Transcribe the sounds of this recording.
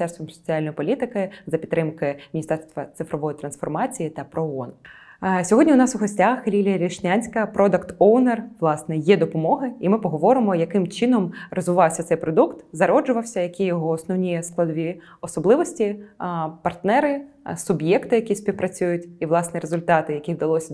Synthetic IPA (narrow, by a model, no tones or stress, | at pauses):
t̪ɛrst̪ʋɔmsɔ̥t͡sʲialʲnjipɔlʲit̪ɪkɪzɐpʲt̪ːɾɪmkɪmʲinʲist̪ɛrst̪ʋɐt̪sɪfɾɔʋɔjit̪ɾɐnsfɔrmɑt͡sʲijit̪ɐpɾɔɔɔn | sʲɔɦɔdʲnʲiʊnɑsʊɦɔsʲtʲaxlʲilʲijɐɾʲiʃnʲanʲsʲkɐpɾɔd̪ɐkt̪ɔwnerʋlˠɑsnɛjɛd̪ɔpɔmɔɦɪimɪpɔɦɔʋɔɾɪmɔjɐkɪmt͡ʃɪnɔmrɔzʋɪʋɑwsʲɐt̪sɛjpɾɔd̪ukt̪zɐɾɔd͡ʒʊʋɐwsʲɐjɐkʲijɔɦɔːsnɔwnʲijɛsklˠɐd̪ʋʲi | ɔsɔblˠɪʋɔsʲtʲi | pɐrt̪nɛɾɪ | sʊbjɛkt̪ɪjɐkʲisʲpʲiwpɾɐt͡sʲujʊtʲiʋlˠɑsnɛɾezʊlʲt̪ɑt̪ɪjɐkʲiwd̪ɐlˠɔsʲɐ